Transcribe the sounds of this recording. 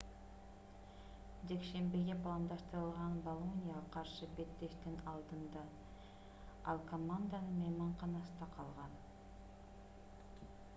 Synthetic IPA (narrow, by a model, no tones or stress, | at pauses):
ʒe̞kʃe̞mbɪɡʲe̞pʰlˠɑnd̪ɑst̪əɾəlˠʁɑnbolˠonʲijaɑləqʰɑɾʃəbe̞t̪ːe̞ʃt̪ɪŋɑlˠd̪ənd̪ɑ | ɑlˠkʰo̞mand̪anəmejmɑɴqɑnɑsənd̪ɑqʰɑlˠʁɑn